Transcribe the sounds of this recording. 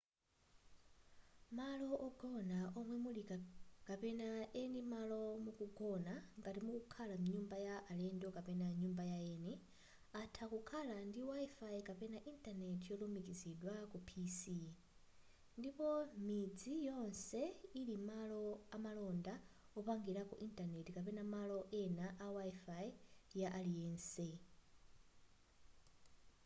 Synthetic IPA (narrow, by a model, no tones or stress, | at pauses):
malɔʔɔɡɔnaʔɔmwɛmulikapɛnaɛndimalɔmukuɡɔnaŋɡatimukukʰalamuɲumbajaʔalɛndɔkapɛnaɲumbajaɛnɛ | atʰakukʰalandiwaifaikapɛnaʔintʼanɛtʰjɔlumikiziɗwakupʰisi | ndipɔmid͡zijɔnsɛilimalɔamalɔnda | ɔpaŋɡiɾakuʔintanɛtikapɛnamalɔʔɛnaʔawaifaijaʔaliɛnsɛ